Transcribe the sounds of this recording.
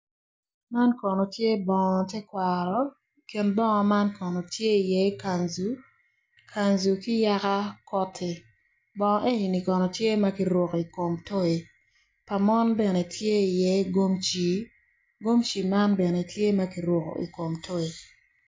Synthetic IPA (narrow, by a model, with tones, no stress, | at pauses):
ma˦nkɔ˨nɔ˨tje˦bɔ˨ŋɔ˨tɛ˦kwa˨ɾɔ˦ | ke˨nbɔ˦ŋɔ˨ma˦nkɔ˨nɔ˨tje˦i˨jɛ˦i˦ka˨nzu˨ | kʰa˨nzu˨kɪ˦ja˦ka˦kɔ˦tʰe˨ | bɔ˨ŋɔ˦ʔe˦ɲi˨ni˨kɔ˨nɔ˨tje˦ma˦ki˦ɾwɔ˨ki˨ko˨mto˦e˨ | pa˨mɔ˦nbɛ˨nɛ˨tʰje˦i˨jɛ˦ɡo˦mt͡ʃi˨ | ɡo˦mt͡ʃi˨ma˦nbɛ˨nɛ˨tje˦ma˦ki˨ɾwɔ˨ko̰˨ʔḭ˨ko˨mto˦e˨